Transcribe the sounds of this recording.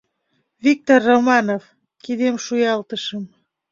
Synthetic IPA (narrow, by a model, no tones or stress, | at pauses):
vik̚t̪orːomɑnov | kid̪emʃujɑlt̪əʃəm